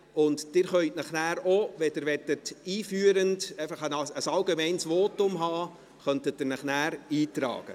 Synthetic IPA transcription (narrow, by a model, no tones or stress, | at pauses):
ʊntd̥ɪːɾχœʏtnɑχnæːɾoʋɛdɪɾʋɛtətiːfyːəɾəndɛɪfəχənəsɑlɡemɛɪnsʋoːtʊmɦɑː | χœntət̚d̥ɪɾnɑχnæːɾiːtɾɑ̰ːɡ̥ə̰